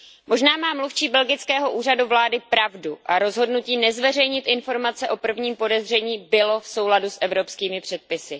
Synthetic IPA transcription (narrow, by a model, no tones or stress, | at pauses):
mo̞ʒnaːmaːmluft͡ʃiːbɛlɡɪt͡skɛːɦo̞ʔuːraduvlaːdɪpɾavduʔaɾo̞zɦo̞dnuciːnɛzvɛr̝ɛjɲɪt̪ʔɪnfo̞ɾmat͡sɛʔo̞pr̩vɲiːmpo̞dɛzr̝ɛɲiːbɪlo̞fso̞wladusʔɛvɾopskiːmɪpr̝̥ɛt̪̚pɪsɪ